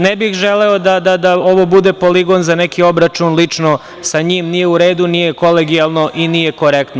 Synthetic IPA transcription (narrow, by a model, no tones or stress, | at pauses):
nebixʒeleod̪ad̪ad̪ao̞ʋo̞bud̪e̞po̞liɡo̞nzanekio̞bɾat͡ʃunlit͡ʂno | saɲiːmnije̞uɾe̞ːd̪unijeko̞leɡialˠno̞ʔinijeko̞ɾekt̪no